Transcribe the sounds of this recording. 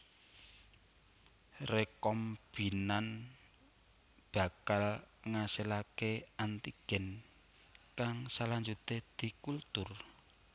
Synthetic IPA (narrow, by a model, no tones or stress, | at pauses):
rekɔmb̥inan | b̥a̤kalŋaselakeant̪iɡ̥ɛ̤n | kaŋsaland͡ʒut̪ed̪̥i̤kult̪ʊr